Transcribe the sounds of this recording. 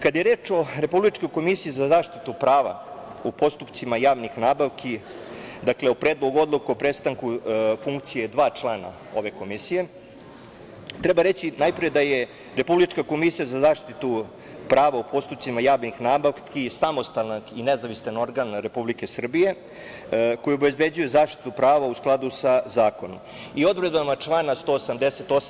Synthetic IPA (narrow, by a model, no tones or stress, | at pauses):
kad̪ajeɾeːt͡ʃo̞ɾe̞publit͡ʃko̞jko̞misiːzazaːʃt̪it̪upɾaːʋa̰upo̞st̪upt̪simajaːʋnixnaːbaʋkʰi | d̪akleopɾeːd̪lˠoɡuo̞d̪lˠokuopɾe̞st̪aŋkufuŋkt̪sije̞d̪ʋaːt͡ʃlˠaːna̰ | o̞̰ʋe̞ko̞misije̞ | t̪ɾebaɾe̞t͡ɕinajpɾijed̪aje | ɾe̞publit͡ʃkako̞misijazazaːʂt̪it̪u | pɾaːʋaupʰo̞st̪upt̪simajaːʋnixnaːbaʋkʰisamo̞st̪alnaɡinezaʋist̪ano̞ɾɡanɾe̞publike̞sr̩bije̞ | kojuobe̞zbe̞d͡ʑuje̞zaːʃt̪i̥t̪upɾaːʋausklˠad̪usazaːko̞no̰m | io̞d̪vɾed̪bamat͡ʂlˠanast̪o̞ːsamd̪eset̪o̞s